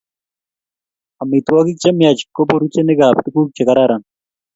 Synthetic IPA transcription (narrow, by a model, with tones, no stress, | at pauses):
a˨mit̪uwa˦ki˦k̚t͡ʃe˦mjat͡ʃi̥kːo˦poɾu˦t͡ʃe˦ne˦ɡa˨p̚t̪i˦ku˦k̚t͡ʃe˨kaɾaɾan